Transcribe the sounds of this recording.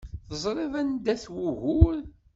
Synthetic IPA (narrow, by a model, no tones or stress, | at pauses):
θəzˤɾˤeðænd̪æθwuɣʊɾ